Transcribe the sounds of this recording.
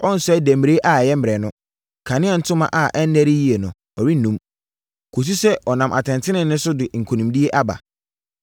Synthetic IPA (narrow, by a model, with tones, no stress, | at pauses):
ɔ˦n̩˨sʊ˦ɛ˦dæ̃˨m˨ɾe˦ʔa˨jɛ˦m̩ː˦˨ɾɛ˨nʊ̃˦ | kʰã˨nɪ̃˦a˨n̩˦tʰʊ̃˦mã̰˦ʔa˨ʔɛ˦n̩˦næ˦ɾi˦ji˦e˨nʊ̃˨ | ɔ˨ɾi˦nːũ˦m | kʰo˨s̬u˦sɛ˦ʔɔ˨nã˨mʔa˨tʰɛ̃˨ntʰɪ˦nɪ̃˨nːʊ̃˦sʊ˦dɪ˨ŋ̩˨kʰo˨nũ˨mdi˦e˦ʔa˦ba̰˨